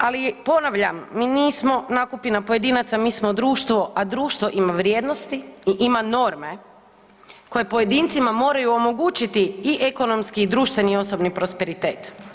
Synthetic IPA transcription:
alipo̞naʋʎamːiːniːsmo̞naːkupinapo̞je̞d̪iːnat̪samiːsmo̞d̪ɾuːʃt̪ʋo̞ʔad̪ɾuːʃt̪ʋo̞ʔimaʋɾjeːd̪nost̪iiʔimano̞ɾme̞ | ko̞je̞po̞je̞d̪iːnt̪simamo̞ːɾajuomo̞ɡuːt͡ʃit̪iiʔeko̞no̞mskiːd̪ɾuːʃt̪ʋe̞nio̞so̞bnipɾo̞spe̞ɾit̪e̞ːt̪

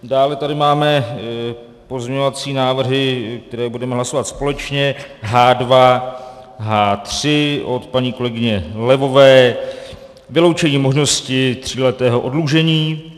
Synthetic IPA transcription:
daːlɛt̪adɪmaːmɛ | po̞zmɲɛɲovat͡siːnaːvr̩ɦɪk̚t̪ɛɾɛːbudɛmɛɦlaso̞vat̪spo̞lɛt͡ʃɲɛɦaːdva | ɦaːt̪r̥ɪʔo̞t̪paɲiːko̞lɛɡɪɲɛlɛvo̞vɛː | vɪlo̞wt͡ʃɛɲiːmo̞ʒno̞scɪt̪r̝̥iːlɛt̪ɛːɦoʔo̞dluʒɛɲiː

